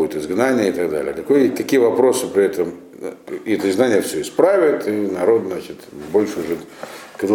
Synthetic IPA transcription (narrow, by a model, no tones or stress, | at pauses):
ujʊt̪ɨzɡnanʲɪjəɪt̪ɐɡd̪a̰lʲɪ̰ək̪ɐkojʲt̪ɐkʲijəvɐpɾo̞sɨpɾʲɪɛt̪əm | ɪɛt̪əɪzɡ̪nanʲɪjəfʲsʲɵɪspɾavʲɪt̪ɨnɐɾo̞d̪zat͡ɕɪt̪bo̞lʲʂɨʊʐɨkɐd̪